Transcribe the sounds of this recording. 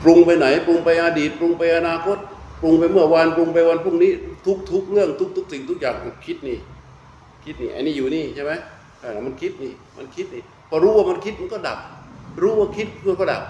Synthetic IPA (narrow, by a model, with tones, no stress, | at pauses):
pɾu˧ŋpa˧jna˩˦jpɾu˧ŋpa˧jʔaː˧diː˨˩t̪̚pɾu˧ŋpa˧jʔa˧naː˧kʰo˦˥t̪̚pu˧ŋpa˧jmɯ˥˩ɐwa˧npɾu˧ŋpa˧jwa˧npʰuː˥˩ŋ̚niː˦˥t̪ʰu˦˥k̚t̪ʰu˦˥k̚ɾɯ˥˩əŋt̪ʰu˦˥k̪̚ʰu˦˥k̚si˨˩ŋt̪ʰu˦˥k̚jaː˨˩ŋ˩kʰi˦˥t̪̚niː˧˩ | kʰi˦˥t̪̚niː˧˩ʔa˧jniː˦˥˩juː˨˩niː˥˩t͡ɕʰa˥˩jma˦˥jʰ | a˧˩la˨˦˩ma˧nkʰi˦˥t̪̚niː˧˩ma̰˧nkʰi˦˥t̪̚niː˧˩ | pʰɔː˧˩ɾuː˦˥waː˥˩ma˧nkʰi˦˥t̪̚ma˧nkɔː˥˩da̰˨˩p̚ɾuː˦˥waː˧˥˩kʰi˦˥t̪̚ʰɯ˥˧˨nkɔː˥˩da̰˨˩p̚